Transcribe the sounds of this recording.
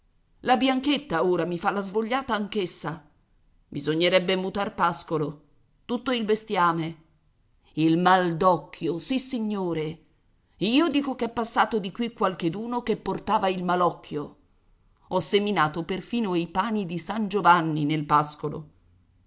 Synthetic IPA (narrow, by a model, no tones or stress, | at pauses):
labjaŋket̪ːaoːɾamifalːazvoʎːaːt̪aːŋkesːa | bizoɲːeɾɛbːemut̪arpaskolo | t̪ut̪ːoilbest̪jaːme | ilmald̪ɔkʰːjosisːiɲːoːɾe | iːod̪iːkokɛpːasːaːt̪od̪ikwikːwalked̪uːnokepːort̪aːvailmalɔkʰːjo | ɔsːeminaːt̪operfiːnoipaːnid̪isand͡ʒovanːinelpaskolo̰